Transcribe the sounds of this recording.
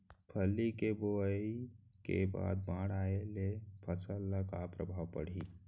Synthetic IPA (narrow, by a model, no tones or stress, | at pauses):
pʰəlːikeboəikḛba̰ːd̪̚bãːɽaːelepʰəsəlːakapɾəbʱaːwpə̰ɽ̤i